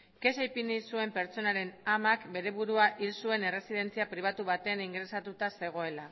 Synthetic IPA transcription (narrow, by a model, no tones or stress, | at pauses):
ke̞sajpinisue̞mpe̞ɾt͡so̞naɾe̞namakbe̞ɾe̞βuɾuaʔilsue̞ne̞re̞sið̞e̞nt͡siapɾiβ̞at̪uβat̪e̞aniŋɡɾe̞sat̪ut̪ase̞ɣ̞o̞e̞la